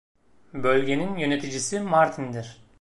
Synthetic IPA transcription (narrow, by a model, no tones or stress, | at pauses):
bø̞lɡʲe̞ninjønet̪id͡ʒisimaɾt̪ʰind̪iɾ